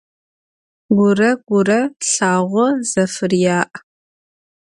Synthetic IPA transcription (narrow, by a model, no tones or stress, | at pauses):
ɡʷʊrɐɡ̥ʷʊrɐɬaːʁʷɔzɐfɨrjaːʔ